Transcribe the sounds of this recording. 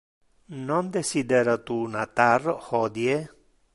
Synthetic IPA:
nond̪esid̪eɾat̪unat̪arhɔd̪je

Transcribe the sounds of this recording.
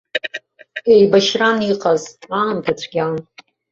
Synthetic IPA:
ejbaʃraniqʼazaːmtʰat͡ɕʷʰɡʲan

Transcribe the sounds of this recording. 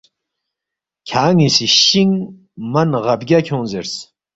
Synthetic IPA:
kʲʰaːŋisiʃːiŋ | manʁabɡʲakʲʰonzers

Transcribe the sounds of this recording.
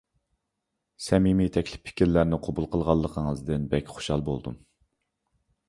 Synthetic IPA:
sɛmimit̪ʰɛkʲlɪ̥pʰːɪ̥kʲʰiɾlæɾnɪqʰobulˠqʰəlˠʁɑlˠːəqʰəŋəzd̪ɪnbɛkʲχo̥ʃɑlˠbo̰lˠd̪ṵm

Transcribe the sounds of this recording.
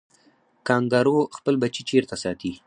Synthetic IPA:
kɑŋɡaɾoxpəlbat͡ʃit͡ʃeɾt̪asɑt̪i

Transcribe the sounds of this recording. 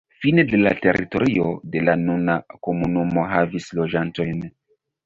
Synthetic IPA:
finede̞la̰te̞̰ɾʔḭto̞ɾio̞de̞lanunako̞munumo̞ɦavislo̞d͡ʒanto̞jn

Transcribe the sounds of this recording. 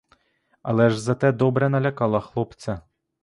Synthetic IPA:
alˠɛʐzɐt̪ɛd̪obɾɛnɐlʲakɑlˠɑxlˠopt̪sɛ

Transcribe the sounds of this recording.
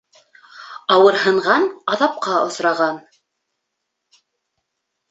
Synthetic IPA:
ɑwɤ̆ɾhɤ̆ɴʁɑnɑðɑp̚qɑŏsɾɑʁɑn

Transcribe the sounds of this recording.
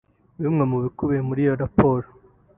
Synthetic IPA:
βimŋe̞muβikuβemuɾijo̞ɾapʰoːɾo

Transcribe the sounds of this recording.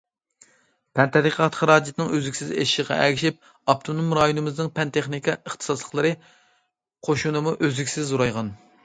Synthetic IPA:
pʰɛnt̪ʰɛɾiqʰɑt̪χɑɾɑːd͡ʒit̪ʰɨnɪŋøzɪkʲsɪzḛʃʃɪʁɑ̰ʔɛɡʲiʃip̚ | ɑp̚t̪ʰonumɾɑjonɨmɨznɨŋpʰɛnt̪ʰeχnikʰʲɑəχt̪ʰɨ̥sɑslˠəχlˠɨɾɨ | qʰoʃunɨmuʔøzɪkʲsɪzːoɾɑjʁɑn

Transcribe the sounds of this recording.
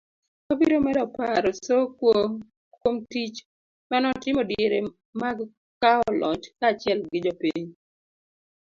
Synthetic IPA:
obiɾomɛɾɔpaɾɔsokwo | kwomtit͡ʃ | manɔtɪmɔdjeɾe | maɡ | kaɔlʔɔ̰t͡ʃkat͡ʃɪɛlɡɪd͡ʒɔpiɲ

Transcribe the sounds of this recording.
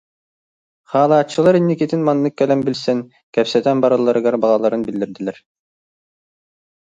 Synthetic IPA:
χɑːlˠɑːt͡ʃːɯlˠɑɾinːikʲet̪ʰinmɑnːɯkʲːælʲæmbilʲsæŋ | kʰʲæpsɛt̪ʰænbɑɾɑlˠɑɾɯɡɑɾbɑlˠɑlˠɑɾɯnbild̪iɾd̪ilʲæɾ

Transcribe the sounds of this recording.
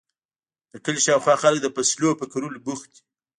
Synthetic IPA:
d̪̥əkəlʃɑwxwɑxalək̚d̪əpaslopəkaɾulbuxt̪i̥

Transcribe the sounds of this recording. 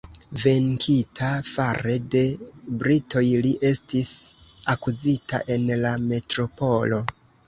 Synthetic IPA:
ve̞ŋkʰitʰafaɾe̞de̞bɾito̞jliʔe̞stisakuzita̰ʔe̞nlame̞tɾo̞po̞lo̞

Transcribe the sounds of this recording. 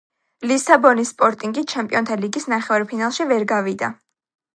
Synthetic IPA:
lisabɔnisːpʼɔɾt̪ʼiŋɡit͡ʃʰɛmpʼiɔnt̪ʰaliɡisnaχɛvaɾpʰinalˠʃivɛɾɡavid̪a

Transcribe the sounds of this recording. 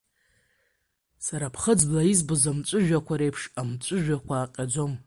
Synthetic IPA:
saɾapʰχəd͡zblaizbɨzamt͡ʃʷʼɨʒᶣakʷʰaɾe̞jpʰʂamt͡ʃʷʼɨʒᶣakʷʰaːqʲʼad͡zo̞m

